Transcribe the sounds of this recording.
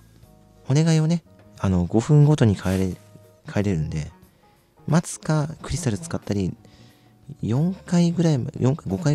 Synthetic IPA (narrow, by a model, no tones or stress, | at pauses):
o̞ne̞ɡaione̞ | ano̞ɡo̞ɸɯ̟̃ŋɡo̞t̪o̞ɲ̟ikʰaɾ | kʰaeɾe̞ɾɯ̟̃nd̪e̞ | mat͡sɨ̥kakɯ̟ɾʲist̪aɾɯ̟t͡sɨ̥kat̪ːaɾʲi | jõ̞ŋkaiɡɯ̟ɾaimjõ̞ŋkaiɡo̞kai